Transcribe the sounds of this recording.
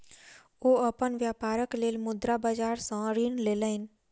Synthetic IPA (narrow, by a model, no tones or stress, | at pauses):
oəpənʋjaːpaːɾəkleːlmʊd̪ɾabad͡ʒaːɾsãɾiːnleːləɦɪn